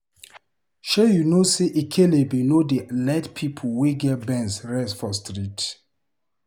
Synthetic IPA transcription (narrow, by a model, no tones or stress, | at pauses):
ʃɛjunoseʔikʰelebinodelɛtpʰipʰoweɡɛt̚bɛ̃nsɹɛsfɔstɹit